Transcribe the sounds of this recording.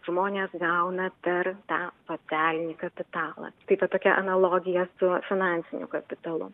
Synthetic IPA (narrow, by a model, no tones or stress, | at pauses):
ʒ̥moːnʲeːsɡɐʊnɐpʲɛɾt̪ɑːsoːsʲæːlʲɪnʲikɐpʲɪt̪ɑːlˠɐ̰ːt̪ɐɪʋɐt̪oːkʲɛʔɐ̰nɐlˠoːɡʲɪjɛsʊfʲɪnɑnʲsʲɪnʲʊ̰kɐpʲɪt̪ɐlˠʊ̰